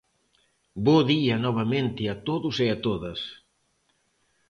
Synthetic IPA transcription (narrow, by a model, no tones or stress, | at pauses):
boðiɐnɔβ̞ɐmẽnt̪ɪɐt̪oðʊseɐt̪oðɐs